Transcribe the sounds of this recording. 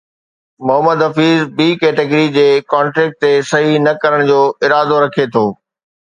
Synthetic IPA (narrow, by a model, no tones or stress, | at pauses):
mʊɦəməd̪ɐfiːzbiːkɛːʈeɡɾid͡ʑeːkɔ̃ːɳʈɾɛːk̚ʈ̚t̪esɐɦinɐkɐɾəɽ̃d͡ʑoːɪɾaːd̪oɾɐkʰet̪ʰoː